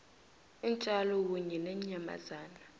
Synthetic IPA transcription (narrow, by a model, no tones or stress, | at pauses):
int͡ʃʼalɔk̬uɲɛnɛɲama̰zaːna